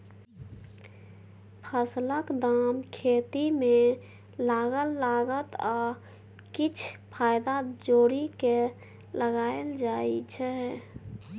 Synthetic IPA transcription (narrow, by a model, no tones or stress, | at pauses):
pʰəsləkd̪aːmkʰeːt̪imẽ | laːɡəlːaːɡət̪aː | kit͡ʃʰpʰaːjd̪ad͡ʒoːɾike | ləɡaːeld͡ʒaːit͡ʃʰɛ